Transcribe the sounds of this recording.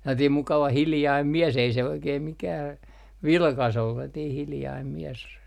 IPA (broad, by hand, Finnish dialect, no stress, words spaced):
selːɑtiːm mukɑʋɑ hiljɑim mies ei se oikeːm mikæː ʋilkɑs olːu selːɑtiːh hiljɑim mies